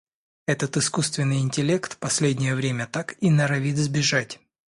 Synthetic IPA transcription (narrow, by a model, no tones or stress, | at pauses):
ɛt̪ət̪ɨskust̪vʲɪnːɨjɪnʲtʲɪlʲe̞kt̪pɐsʲlʲedʲnʲɪjəvɾʲemʲət̪akinɐɾɐvʲit̪zbʲɪʐatʲ